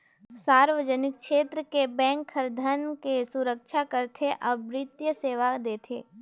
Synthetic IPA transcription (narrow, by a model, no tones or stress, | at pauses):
saːɾʋəd͡ʒənɪkʃeːt̪ɾəkebɛ̃ːŋkʰːəɾd̪ʱənkesʊɾəkʃakəɾt̪ʰeʔɐbɾɪt̪jəseːʋad̪eːt̪ʰḛː